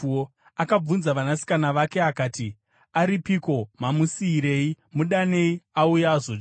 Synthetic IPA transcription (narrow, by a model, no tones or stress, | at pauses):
akab͡vunzaʋanasi̥kanaʋake̞akaːti | aɾipiko̞mamusiːɾe̞i | muɗane̞iaujaːʐot͡ʃ